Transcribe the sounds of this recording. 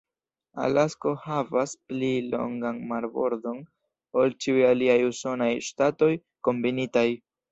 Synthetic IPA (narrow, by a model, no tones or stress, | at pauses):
a̰lasko̞havasplilo̞̰ŋɡanmaɾbo̞̰ɾdo̞n | olt͡ʃiujaliajuso̞najʃtato̞j | ko̞mbinitaj